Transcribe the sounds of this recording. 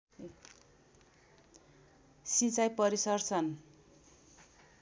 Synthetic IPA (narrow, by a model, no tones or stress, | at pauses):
sit͡sajpʌɾisʌrt͡sʰʌn